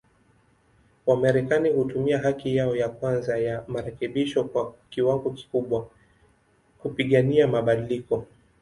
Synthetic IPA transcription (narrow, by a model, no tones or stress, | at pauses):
wamaɾɛkanihutumiaɦakijaɔjakwanzajamaɾɛkɛɓiʃɔkwakiwaŋɡɔki̥kuɓwa | kupiɠaniamaɓaɗilikɔ